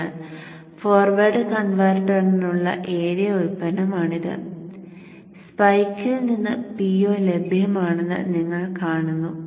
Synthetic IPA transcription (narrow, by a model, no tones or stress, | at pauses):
ɨ | foːrʋɐrɖɨkɐnʋɐrɖɐninuɭːɐ̰ʔe̞ːɾijɐoɾupːɐnɐmaːɳiðɨ̰ | spɐjkːɨninːɨpiːoːle̞bʱjɐmaːɳenːɨ̰niŋːɐɭkaːɳunːu